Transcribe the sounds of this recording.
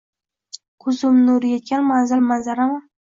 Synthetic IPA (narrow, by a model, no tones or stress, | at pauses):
qʰʊzʊmnʊɾjet̪̚kʲanmanzanmanzaɾama